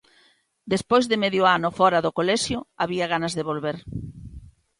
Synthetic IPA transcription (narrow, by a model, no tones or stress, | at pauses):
d̪espojzðɪmeðjʊanʊfɔɾɐðokolɛʃjʊaβiɐɣanɐzðeβ̞olβeɾ